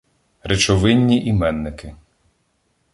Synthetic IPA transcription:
ɾet͡ʃɔʋɪnʲːiʔimɛnːɪkɪ

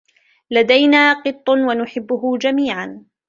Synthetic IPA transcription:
lad̪ajnaːqɨt̪ˤːwanʊħɪbːʊɦʊd͡ʒamiːʕan

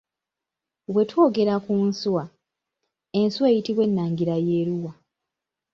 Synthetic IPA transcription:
βwe̞two̞ːɡe̞ɾakunswa | e̞nsuwe̞ːjitiβwe̞nːaːŋɡiɾaje̞ːɾuwa

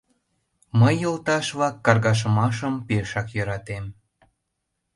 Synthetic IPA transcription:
məjːəlt̪ɑʃβlɑkːɑrɣɑʃ̬əmɑʃəmpeʃɑkjəɾɑt̪em

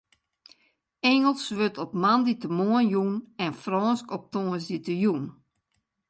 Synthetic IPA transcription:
ɛŋəlˠsʋøtɔpmanditəmoənjunɛnfrɔːnskɔp̚toːənsditəjun

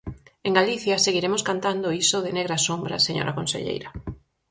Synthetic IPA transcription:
eŋɡaliθjɐseɣiɾemʊskant̪and̪oisoðɪneɣɾasombɾɐ̰seɲo̰ɾɐkonsḛʎḛjɾɐ

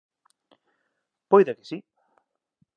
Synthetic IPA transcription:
pojðakɪ̥si

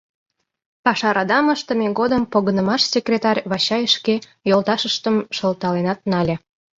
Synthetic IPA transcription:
pɑʃɑɾɑd̪ɑməʃt̪ə̆meɣod̪əmpoɣənəmɑʃsʲekrʲet̪ɑrʲβɑɕɑjəʃke | jolt̪ɑʃəʃt̪əmʃəlt̪ɑlenɑt̪̚nɑlʲĕ

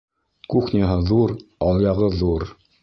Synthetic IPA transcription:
kuχnʲiɦɤðuɾɑlˠjɑʁɤðuɾ

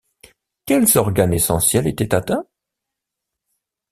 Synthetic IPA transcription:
kʲɛlzɔʁɡanesɑ̃sjɛlet̪ɛt̪at̪ɛ̃

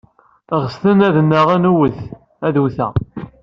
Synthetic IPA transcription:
ʁəst̪ənæðnːəʁænuwəθ | æðuθæ̰

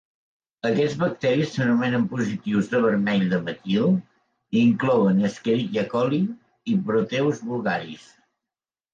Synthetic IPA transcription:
əkɛd͡zβək̚t̪ɛɾisːənumɛnəmpuzit̪iwzðəβ̞əɾmɛʎd̪əməkilˠ | iŋklɔwənəskəɾikəkɔli | ipɾut̪ɛwzβulˠɣaɾis

